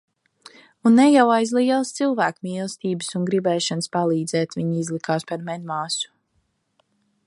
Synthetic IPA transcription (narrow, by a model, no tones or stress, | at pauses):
unːɛjawajzlˠiːɛlˠst̪silˠvæːkmiːlˠst̪iːbɨsunɡɾibɛːʃanəspalˠiːd̪zɛːt̪viɲizlˠikaːspaɾmɛnmaːsu̥